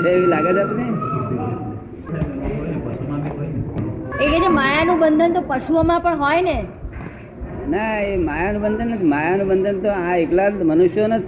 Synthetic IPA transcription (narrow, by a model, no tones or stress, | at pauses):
t͡ʃʰeeʋilaɡəd͡ʒat̪ne | epəʃumãmiɦɔjnʰeked͡ʒemajanũbənd̪ʱənt̪opəʃuomãpəɳɦɔjne | naemajanũbənd̪ʱənːət̪ʰimajanũbənd̪ʱənt̪oãeklamənuʃjonət̪ʰ